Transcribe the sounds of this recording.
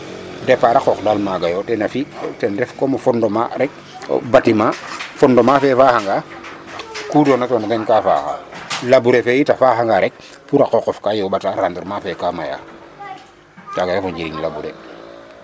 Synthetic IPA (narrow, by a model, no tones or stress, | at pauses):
dɛpaɾakɔkdalmaɡajotɛnafitɛndɛfkomofɔndoma̰ɾɛk̚ | batimafɔndɔmafɛfaːhaŋɡa | kudɔːnatɔnatɛnkafa̰ːxa̰labuɾefɛjitafaɦaŋɡaɾɛk̚ | fuɾakɔkɔfkajobataɾandiɾmafɛkamaja̰ | t͡ʃaɡajofɔɲɟiɾiŋlabuɾḛ